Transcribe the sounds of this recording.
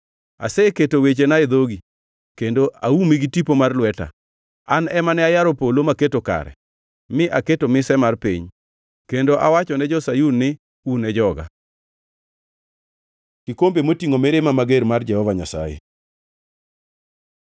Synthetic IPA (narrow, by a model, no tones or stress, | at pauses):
a̰seketowet͡ʃenad̪oɡi | kendoʔa̰umiɡitipomarlwɛta̰ | anɛmanɛajaɾɔpolomaketoka̰ɾɛ̰ | mɪʔaketomɪsɛmarpḭɲ | kendoʔawat͡ʃɔnɛd͡ʒɔsajunːɪ | unɛd͡ʒɔɡa̰ | kɪkombemotiŋomeɾemamaɡeɾmard͡ʒɛhɔvaɲasa̰jḛ